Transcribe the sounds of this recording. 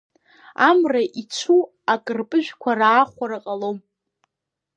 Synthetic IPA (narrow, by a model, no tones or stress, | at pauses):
amraʔit͡ʃʷʰu | akʼɨrpʼɨʒᶣkʷʰaraːχʷaɾaqʼalom